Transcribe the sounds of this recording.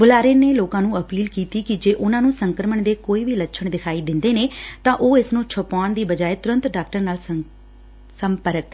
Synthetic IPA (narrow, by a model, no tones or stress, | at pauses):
bʊlaːɾeːneːloːkãːnũːəpiːlkiːt̪iːkɪd͡ʒeːʔʊnãːnũːsəŋkəɾəməɳd̪eːkoːiːʋiːlətːʃʰəɳd̪ɪkʰaːiːd̪ɪ̃nd̪eːneːt̪ãːʔoːɪsnõːt͡ʃʰʊpaːnd̪iːbəd͡ʒaːeːt̪ʊɾə̃nt̪ɖaːkʈəɾnaːl | səmpəɾək